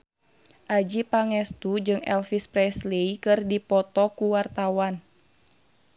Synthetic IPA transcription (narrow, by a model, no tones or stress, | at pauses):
ʔad͡ʒipaŋɛst̪ud͡ʒɨŋɛ̰lfispɾɛsleikɨrdipɔt̪ɔkuwart̪awan